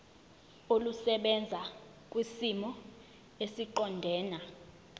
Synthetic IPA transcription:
olusɛɓɛnd͡zʱa | k̬ʼwisimɔ | esiǃɔndʱɛːna

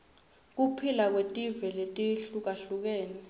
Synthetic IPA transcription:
k̬upʰilak̬wetʼivɛletʼiɬuk̬aɬuk̬eːni

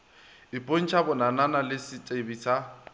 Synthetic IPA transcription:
ɪpʼon̩t͡ʃʰabʊnananalɪsɪt͡ʃʼebisa

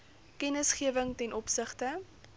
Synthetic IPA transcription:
kɛnəsχiəvəŋtɛnʔɔpsəχtə

